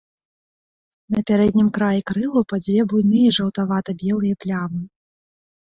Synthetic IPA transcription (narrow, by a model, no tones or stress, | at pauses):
nɐpʲaɾɛd̪̚ʲnʲimkɾajikɾɨlˠupad͡zʲvʲjɛbujnɨjɐʐɐwt̪avat̪ɐbʲɛlˠɨjɐplʲamɨ